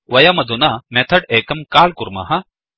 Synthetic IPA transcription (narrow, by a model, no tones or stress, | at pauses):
wɐjaːmɐd̪unaːmɛ̃ːt̪ʰɐʈeːkɐmkaːlkʊɾma̰ːɦa